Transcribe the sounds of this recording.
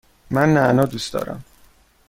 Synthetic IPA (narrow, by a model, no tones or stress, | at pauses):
mænːænɒːd̪uːsd̪ɒ̰ːɾæ̰m